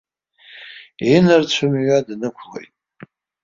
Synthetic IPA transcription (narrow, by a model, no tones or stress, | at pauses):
inɨrt͡ɕʷʰʊmiɥadnɨkʷʰlo̰jtʼ